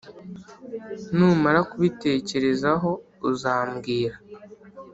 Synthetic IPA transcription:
nuːmaɾakuβite̞ːce̞ɾe̞zaɦo̞ | uzaːmɡiːɾa

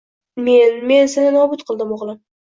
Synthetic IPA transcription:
me̞nme̞nsanɪnɒbʊt̪qʰɨlˠd̪ɪmɒʁlˠɪm

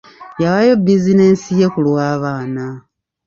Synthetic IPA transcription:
jaβajo̞bizine̞ːnsije̞kulwaːβaːna

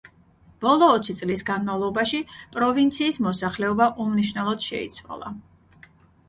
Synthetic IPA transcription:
b̥ɔlˠɔːt̪sʰit̪sʼlisɡanmavlˠɔbaʃipʼɾɔvint̪sʰiːsmɔsaχlɛɔbaʔumniʃvnɛlˠɔd̪̥ʃɛ̰ḭt̪sʰwa̰lˠa̰

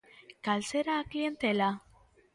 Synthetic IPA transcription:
kalt͡seɾaːklie̞nt̪ela

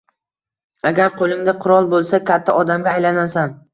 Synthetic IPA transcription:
aɡʲaɾqʰolˠɪŋd̪aqʰʊɾɒlˠbolˠsakʲʰat̪ʰːaʔɒd̪amɡʲaːjlanasan

